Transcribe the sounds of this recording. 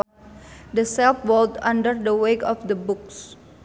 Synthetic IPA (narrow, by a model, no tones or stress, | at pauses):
dəsɛlfwɔltãndərdəwekɔfd̪əbuks